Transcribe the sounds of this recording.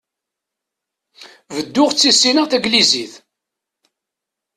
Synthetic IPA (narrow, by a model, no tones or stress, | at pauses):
vəd̪ːʊʁt͡sːisːinəʁθæɡliziθ